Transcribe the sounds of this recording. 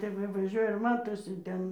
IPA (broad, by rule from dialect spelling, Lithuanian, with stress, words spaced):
ˈtʲɛp ʋɐ ʋɐˈʒʲuɔjɛ ɪr ˈmɑːtoːsʲɪ ˈtʲɛn